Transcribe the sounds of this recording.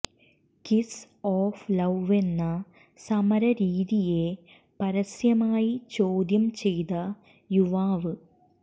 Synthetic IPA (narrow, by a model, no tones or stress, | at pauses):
kis | oːflɐʋʋe̞nːɐ | sɐmɐɾɐɾiːðije̞ | pɐɾɐsjɐmaːjit͡ɕoːd̪jɐmt͡ɕe̞jt̪ɐ | juʋaːʋɨ